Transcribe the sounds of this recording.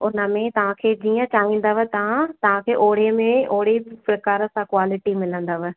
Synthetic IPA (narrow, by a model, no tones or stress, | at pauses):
ʊnə̆mẽt̪ɐʋ̤ãkʰeːd͡ʑiːə̃t͡ɕaːɦĩːn̆d̪əʋət̪ɐʋ̤ãt̪ɐʋ̤ãkʰeːʔoːɽ̤emẽoːɽ̤epɾɐkaːɾəsãkwaːlɪʈimɪlə̃nd̪əʋ